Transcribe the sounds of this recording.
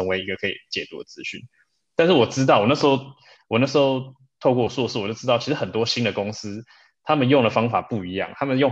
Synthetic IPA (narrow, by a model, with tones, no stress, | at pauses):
ə˧˥ŋwe˧ɪi˧ɡə˨kʰɤ˧˥i˨˩t͡ɕjɛ˨˩t̪ṵ˧˥d̪ə˨t͡sɹ̩˦ɕy̰˥˩˨n | t̪a˥˧nʂɻ̩˥˩wɔ˨˩ʈ͡ʂɻ̩˥t̪̬ɑ˥˩ʊwɔ˨˩na˥˩ʂɻ̩˧xo˥˧ʊ | wɔ˨˩na˥˩ʂ̬̩˧˥xo˥˧ʊ | t̪ʰo˥˧ʊkwɔ˥˧˥sɔ˥˩˧ʂs̩˥˩ɔ˨˩t͡ɕo˥˩ʊʈ͡ʂɻ̩˥t̪ʊt͡ɕʰi˧˥ʂɻ̩˧˥xə˨˩nt̪wɔ˥˦ɕi˥nd̪ə˨kʊ˥ŋs̩˥ | t̪ʰa˥mə˨njo˥˩ŋd̪ə˩fɑ˥ŋfa˨˩pu˥˩i˧˥jɑ̰˨˩ŋt̪ʰa˥mə˨njo˥˧ŋ